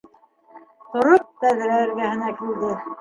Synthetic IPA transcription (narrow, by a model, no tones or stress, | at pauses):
t̪ŏɾop̚t̪æðɾæɘ̆ɾɡæɦɘ̆nækild̪ɘ